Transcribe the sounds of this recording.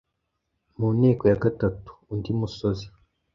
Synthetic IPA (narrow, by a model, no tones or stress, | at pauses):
muneːkojaɡatatu̥ːndimusozi